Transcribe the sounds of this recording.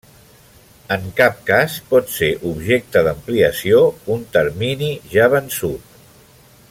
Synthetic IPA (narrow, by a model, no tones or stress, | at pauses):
əŋkap̚kaspɔt̪seʔubʒek̚t̪əðəmpliəsiount̪əɾminiʒaβənsut̪